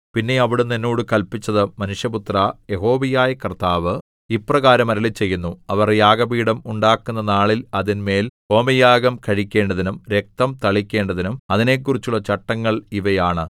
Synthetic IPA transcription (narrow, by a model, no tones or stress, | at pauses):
pinːe̞ɐʋiɽunːenːoːɽɨkɐlpit͡ɕːɐðɨmɐnuʂjɐput̪rɐje̞ɦo̞ːʋijaːjɐkɐrt̪aːʋɨ | iprɐɣaːɾɐmɐɾɐlit͡ɕːe̞jːunːuɐʋɐrjaːɡɐbiːɽɐmuɳɖaːkːunːɐnaːɭilɐðinme̞ːl | o̞ːmɐjaːɡɐmkɐɻikʲːe̞ːɳɖɐðinumɾek̚t̪ɐmt̪ɐɭikʲːe̞ːɳɖɐðinumɐðine̞kːurit͡ɕːuɭːɐt͡ɕɐʈːɐŋːɐɭiʋɐjaːɳɨ